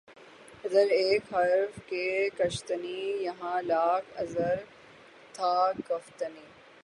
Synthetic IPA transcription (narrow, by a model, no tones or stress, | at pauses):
ɐzəɾeːkɦɐɾfkekɐʃt̪ənijɐɦãːlaːkʰɐ̰zəɾ | t̪ʰaːkɐft̪əniː